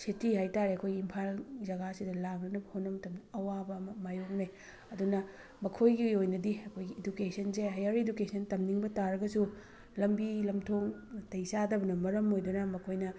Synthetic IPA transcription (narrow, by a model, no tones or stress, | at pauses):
sitihajtaɾiɐkʰojɡiːmpʰalzɐɡasidɐlaknɐnɐbɐhonːɐmɐtɐmnɐɐwabɐmɐmajok̚naj | ɐdunɐ | mɐkʰojɡiojnɐdiɐkʰojɡiedukesɐnseɦɐjɐɾedukesʰɐntɐmniŋbɐtaɾɐɡɐsu | lɐmbilɐmtʰoŋtɐjsadɐbɐnɐmɐɾɐmojdunɐmɐkʰojnɐ